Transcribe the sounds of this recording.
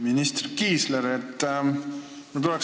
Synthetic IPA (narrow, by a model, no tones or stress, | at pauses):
minist̪rkiːsleɾet̪ː | kt̪ulɛk